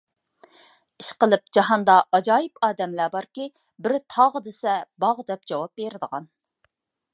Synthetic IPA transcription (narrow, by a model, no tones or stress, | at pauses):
iʃqəlˠɨp̚d͡ʒɑɦɑnd̪ɑʔɑd͡ʒɑːjɪpɑːd̪ɛmlæbɑɾkʲi | bɪɾt̪ʰɑʁəd̪esɛbɑʁd̪ɛp̚d͡ʒɑwɑp̚beɾɪd̪əʁɑn